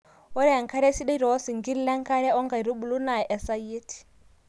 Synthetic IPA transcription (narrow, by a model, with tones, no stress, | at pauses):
wɔ˦ɾɛ˦ɛ˨ŋ˨kʰa˦ɾɛ˦si˦ɗɛ˦ɾi˨ɔ˦si˨ŋɡi˦li˦lɛ˦ŋ˦kʰa˦ɺɛ˦ɔ˦ŋɡa˨i˨ɾi˦ɓu˨lu˦na˨ɛ˨ʔɛ˨sa˦jiː˦tʰi̥˨